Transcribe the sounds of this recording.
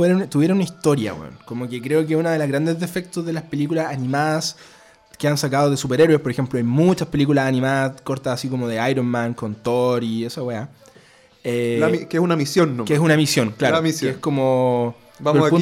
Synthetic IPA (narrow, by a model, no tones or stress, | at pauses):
weɾt̪uβjeɾonunaist̪o̞ɾja̰wḛo̰nkomokekɾe̞ok̬esunaðe̞lazɣɾand̪ezðe̞fe̞k̚t̪ozðe̞laspe̞likulasanimaðas | keansakaðoðesupe̞ɾeɾwe̞spoɾexe̞mploajmut͡ʃaspe̞likulasanĩmaðasko̞ɾt̪asasiko̞moðeajɾonmaŋko̞nt̪oɾiesawea | elaikeesunamisjonːokeesunamisjo̞nklaɾomiseskomo | bampu